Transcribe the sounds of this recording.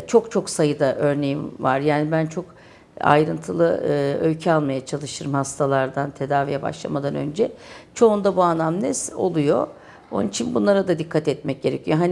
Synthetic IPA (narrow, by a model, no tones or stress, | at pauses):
t͡ʃʰo̞kt͡ʃʰo̞ksajɯd̪aʔø̞ɾne̞jimva̰ɾjaːnibænt͡ʃʰo̞k | a̰jɾɯnt̪ʰɯlˠɯølʲcʰɛalˠmajat͡ʃʰalˠɯʃt̪ʰɯɾɯmhast̪ʰalˠaɾd̪ant̪ʰe̞d̪aːvijɛba̰ʃlˠa̰mad̪anø̞̰nd͡ʒɛt͡ʃʰo̞und̪abuanːamnʲɛso̞̰lˠujo̞̰ | o̰nnit͡ʃʰinbunlˠaɾad̪ad̪ikʰːat̪ɛt̪̚mɛc̚ɟ̥e̞ɾecʰijo̞ɦani